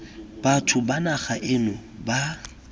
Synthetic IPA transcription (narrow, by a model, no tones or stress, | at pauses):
b̥atʰʊbanaχaʔɪnʊba